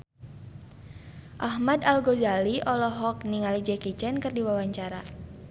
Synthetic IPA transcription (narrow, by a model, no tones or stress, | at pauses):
ʔaɦmadalɡozaliʔɔlɔɦɔk̚niŋalid͡ʒɛkit͡ʃɛnkɨrdiwawaɲt͡ʃaɾa